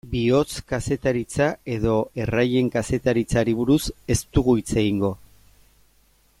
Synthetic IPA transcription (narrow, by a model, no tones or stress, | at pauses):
bio̞t͡skase̞t̪aɾit͡sae̞ð̞o̞e̞raje̞ŋkase̞t̪aɾit͡saɾiβ̞uɾuse̞st̪uɣuit͡se̞ɣiŋɡo̞